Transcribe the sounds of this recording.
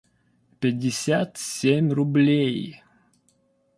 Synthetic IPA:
pʲɪdʲːɪsʲat̪sʲemʲrʊblʲej

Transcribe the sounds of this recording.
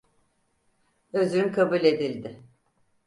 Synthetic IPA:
øzyynkʰabulʲe̞d̪ilʲd̪ɪ

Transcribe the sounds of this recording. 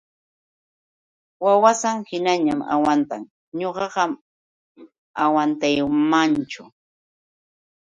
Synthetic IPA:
wawasaŋhɪnaɲama̰want̪a̰ŋ | ɲoɢɑɢɑm | awant̪ajmant͡ʃʊ

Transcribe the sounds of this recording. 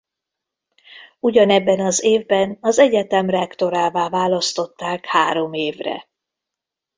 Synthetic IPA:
uɟɒnɛbːɛnɒzeːvbɛnɒzɛɟɛt̪ɛmrɛkt̪o̞ɾaːvaːvaːlɒst̪o̞t̪ːaːkhaːɾo̞meːvrɛ̰

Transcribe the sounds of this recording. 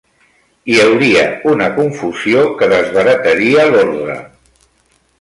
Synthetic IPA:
iəwɾiə̰unəkuɱfuziokəðəzβ̞əɾət̪əɾiəloɾðɾə̰

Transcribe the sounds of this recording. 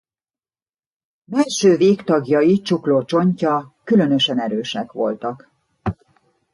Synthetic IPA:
bɛlʃøːveːkt̪ɒɡjɒjit͡ʃukloːt͡ʃo̞ɲcɒkylø̞nø̞ʃɛnɛɾøːʃɛkʋo̞̰lt̪ɒk

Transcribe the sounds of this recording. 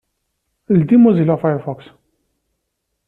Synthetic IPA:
ld̪imuzilɔfajfɔks

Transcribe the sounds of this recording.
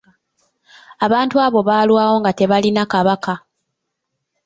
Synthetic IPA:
aβaːntuaːβo̞βaːlwaːwo̞ŋɡate̞βalinakaβaka

